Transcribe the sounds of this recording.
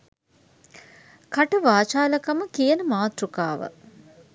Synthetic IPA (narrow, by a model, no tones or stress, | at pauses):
kaʈəʋaːt͡ʃaːlɐkaməkijənəmaːt̪ɾukaːʋə̰